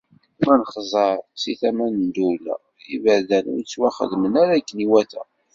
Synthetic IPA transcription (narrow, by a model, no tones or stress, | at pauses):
mænχzˤɑɾˤt͡sːiθæmænnd̪ulæ̰ | ivæðænʊ̰ɾt͡sːwæχə̰ðmənæɾækːniwæθæ̰